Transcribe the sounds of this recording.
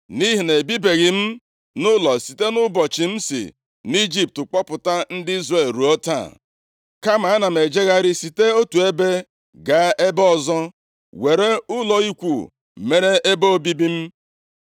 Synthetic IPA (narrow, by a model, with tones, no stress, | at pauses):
ni˦ɦi˨ne˨bi˦be˨ɣɪ˨m̩˦ | nʊ˦lɔ˨si˨te˦nʊ˦bɔ˨t͡ʃi˨m̩˦sḭ˨ | n˦i˦d͡ʒi˦p̚tʊ˨k͡pɔ˦pʊ˨ta˦n̩˦dɪ˦i˦zre˨lɾu˨o˦ta̰˦˨ | ka˦ma˨a˦na˨m̩e˨d͡ʒe˦ɣa˦ɾɪ˦si˨te˦o˦tu˨e˦be˦ | ɡa˦e˦bɔ˦zɔ˦ | we˨ɾe˦ʊ˦lɔ˨i˦kʷṵ˨ | me˨ɾe˦ʔe˦bo˦bi˦bi˦m̩˦